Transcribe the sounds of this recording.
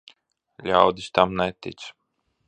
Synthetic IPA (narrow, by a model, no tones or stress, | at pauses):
lʲawd̪ist̪amnɛt̪ʲḭt̪s